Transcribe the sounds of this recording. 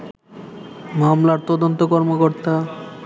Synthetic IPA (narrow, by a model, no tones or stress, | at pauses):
mamlaɾt̪ɔd̪ont̪okɔɾmokoɾt̪a